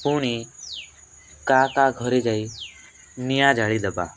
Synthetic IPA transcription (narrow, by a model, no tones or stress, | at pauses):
puːɽ̃i | kaːkaɡʱɔɾed͡ʒai | nijaːd͡ʒʱaɭid̪ɐba̰ː